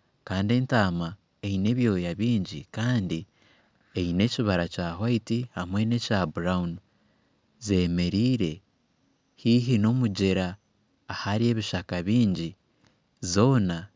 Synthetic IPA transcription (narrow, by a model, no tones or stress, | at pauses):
kaːnde̞ntaːma | eine̞βjo̞ːjaβiːɲɟḭkaːndi | eine̞ciβaɾacaːhwaitihamwe̞ne̞cabuɾaun | ze̞me̞ɾiːɾe̞ | hiɦino̞muɟeɾaː | haɾie̞ːβiʃakaβiːɲɟi | zo̞ːna